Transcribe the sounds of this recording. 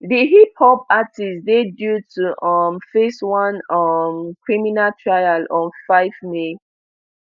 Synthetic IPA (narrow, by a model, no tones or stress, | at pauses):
diɦiphɔb̚atisdedjutʰuʔʌmfeswãnʌmkʰɹiminaltʰɹajalɔ̃nfaɪvme